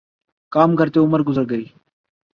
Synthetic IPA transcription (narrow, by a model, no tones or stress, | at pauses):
kaːmɡəɾt̪eːʊməɾɡʊzəɾɡəiː